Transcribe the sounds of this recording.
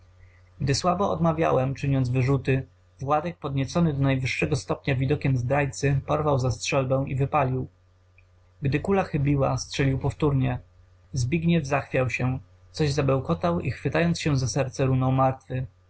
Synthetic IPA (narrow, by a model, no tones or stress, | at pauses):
ɡd̪ɘswabɔɔ̰d̪mavʲja̰wɛmt͡ʂɘɲɔnd̪zvɘʐut̪ɘ | vwad̪ɛk̚pɔd̪ɲɛt̪sɔnɘd̪ɔnajvɘʂːɛɡɔst̪ɔpɲavʲid̪ɔkʲɛmzd̪ɾajt̪sɘpɔɾvawzastʂɛlbɛ̃w̃ivɘpalʲiw | ɡd̪ɘkulaxɘbʲiwastʂɛlʲiwpɔft̪uɾɲɛ | zbʲiɡɲɛvzaxfʲjawɕɛ | t̪sɔʑzabɛwkɔt̪awḭxfɘt̪ajɔnt̪ɕɛ̃zasɛɾt̪sɛɾunɔ̃w̃maɾt̪fɘ